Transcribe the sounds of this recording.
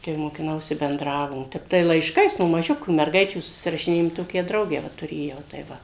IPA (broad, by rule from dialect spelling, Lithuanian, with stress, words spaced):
kɐɪ moːkʲɪˈnɐʊsʲɪ bʲɛnˈdrɑːʋoːm ˈtʲɛp tɐɪ lˠɐɪʃˈkɐɪs noː mɐˈʒʲʊkʲuː mʲɛrˈɡɐɪt͡ʃʲuː sʊsʲɪrɐʃʲɪˈnʲeːjoːm ˈtoːkʲæː ˈdrɐʊɡʲæː ˈʋɐ tʊˈrʲeːjɛʊ tɐɪ ˈʋɐ